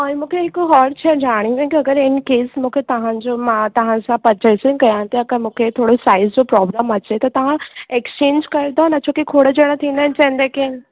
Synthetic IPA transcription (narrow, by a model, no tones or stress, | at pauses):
ɔ̃ːj̃mũːkʰeɦɪkʊɦɔːɾt͡ɕʰed͡ʑaːɽ̃iʋẽkiɐɡəɾɪnkeːsmũːkʰet̪ɐʋ̤ãd͡ʑomãt̪ɐʋ̤ãsãpɐt͡ɕəsɪ̃kɐjãt̪eɐɡəɾmũːkʰet̪ʰoːɽosaːɪzd͡ʑopɾɔːbɾaːmɐt͡ɕet̪ɐt̪ɐʋ̤ãeːkst͡ɕẽːnd͡ʑkɐɾd̪onɐt͡ɕʰokekʰoːɽəd͡ʑəɽ̃ət̪ʰĩːnd̪aːɦɪ̃nt͡ɕɐ̃ɦnd̪ekẽːn